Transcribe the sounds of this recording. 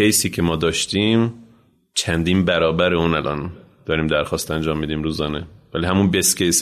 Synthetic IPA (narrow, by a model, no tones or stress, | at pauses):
ejsiːcʰe̞mɒːd̪ɒːʃt̪iːm | t͡ʃʰænd̪iːnbæɾɒːbæɾeunælʔɒ̰ːn | d̪̥ɒːɾiːmd̪æɾxɒːst̪ænd͡ʒɒːmːid̪iːmɾuːzɒːnevæliɦæmunbescʰejs